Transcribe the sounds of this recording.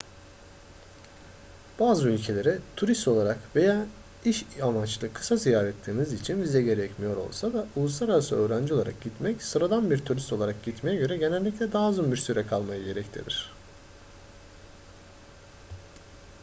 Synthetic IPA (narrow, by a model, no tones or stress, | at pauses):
b̥aːzɯylʲcʰe̞lʲeɾɛt̪ʰuɾist̪o̞lˠaɾakve̞jaː | iʃamat͡ʃlˠɯkʰɯ̥sazijaːɾɛt̪lʲiɾmizit͡ʃʰinvizɛɟe̞ɾɛcmijo̞ɾo̞̰lˠsad̪aulˠuslˠaɾaɾasɯøːɾænd͡ʒiolˠaɾa̰k̚ɟit̪mɛcsɯɾad̪anbiɾt̪ʰuɾist̪o̞lˠaɾak̚ɟit̪me̞jɛɟø̞ɾɛɟe̞nɛlʲːiclʲɛd̪aːzunbiɾsyɾɛkʰalˠmajɯɟe̞ɾɛct̪ʰḭɾḭɾ̝̥